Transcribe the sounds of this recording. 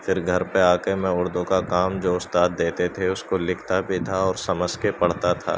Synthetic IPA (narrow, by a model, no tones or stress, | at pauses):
fɪɾɡʱɐɾpeaːkemẽʊɽd̪õkakaːmd͡ʒoːʊst̪aːd̪̚d̪eːt̪et̪ʰeʊskolɪkʰt̪abʱit̪ʰaɔːɾsɐməd͡ʒkepɐɽ̤t̪at̪ʰa̰ː